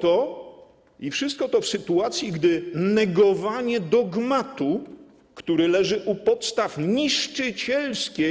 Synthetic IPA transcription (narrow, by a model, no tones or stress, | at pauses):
t̪ɔ | ifʂɘst̪kɔt̪ɔfsɘt̪uat̪sʲjiɡd̪ɘnɛɡɔvaɲɛd̪ɔɡmat̪u | kt̪uɾɘlɛʐɘʔupɔt̪st̪afɲiʂt͡ʂɘt͡ɕɛlskʲe